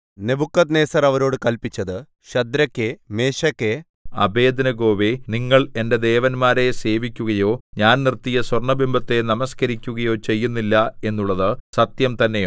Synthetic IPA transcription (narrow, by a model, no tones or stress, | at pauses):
nebʱukːɐt̪ne̞ːsɐrɐʋɐɾo̞ːɽɨkɐlpit͡ɕːɐðɨ | ɕɐd̪ɾɐkːeme̞ːɕɐkːe | ɐ̰be̞ːd̪ɐnɐɡo̞ːʋeniŋːɐɭe̞nde̞d̪e̞ːʋɐnmaːɾe̞se̞ːʋikʲːuɣɐjo̞ːɲaːnnirt̪ːijɐswɐrɳɐbimbʱɐt̪ːe̞nɐmɐskɐɾikʲːuɣɐjo̞ːt͡ɕe̞jːunːilːɐe̞nːuɭːɐðɨsɐt̪jɐmt̪ɐnːe̞jo